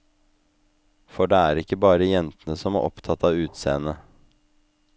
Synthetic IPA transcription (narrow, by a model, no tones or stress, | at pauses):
fɔɖeːæːɾɪkːəbɑːɾəjɛnt̪ənəsɔmæɾʔɔpt̪ʰɑt̪ɑːʋʉːt̪sḛːənə